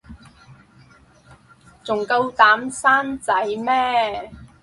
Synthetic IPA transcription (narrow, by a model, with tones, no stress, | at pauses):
t͡sʊ˨˩ŋkɐ˧wt̪aː˨˥msaː˥nt͡sɐ˨˥jmɛː˥